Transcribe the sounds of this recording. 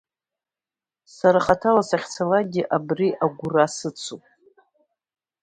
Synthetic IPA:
saɾaχatʰalasaχʲt͡sʰalaɡʲiʔabriʔaɡʷʊrasɨt͡sʰupʼ

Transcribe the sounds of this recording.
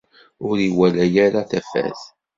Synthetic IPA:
ʊɾiwælæjæɾaθæfæ̰θ

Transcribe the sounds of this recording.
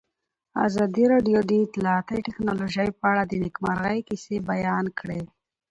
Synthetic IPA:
a̰zɑd̪iɾɑɖijod̪iːt̪lɑat̪əʈɪknɑloʒəjpəaɽad̪ənɪkmaɾɣajkisebajɑnkɽe

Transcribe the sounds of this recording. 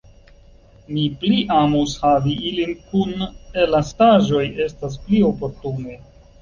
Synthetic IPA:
mipliʔamushaviʔilinkunelastaʒo̞je̞stas̬plio̞po̞ɾtune̞

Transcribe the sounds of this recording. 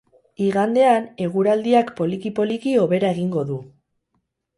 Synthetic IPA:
iɣand̪e̞ane̞ɣ̞uɾald̪iakpo̞likipo̞likio̞β̞e̞ɾae̞ɣiŋɡo̞ðu

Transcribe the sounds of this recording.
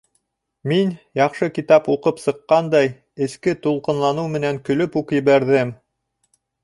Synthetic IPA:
minjɑqʃɤkit̪ɑpuqɤpsɤ̆qːɑnd̪ɑj | ɘ̆skɘt̪ulˠqɤ̆nlˠɑnɤwmɘ̆næŋkɵ̆lɵpukjɘ̆βæɾðɘm

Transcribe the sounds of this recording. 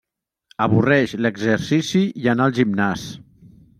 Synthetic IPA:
əβurɛʃləɡzəɾsisijanalˠʒimnas

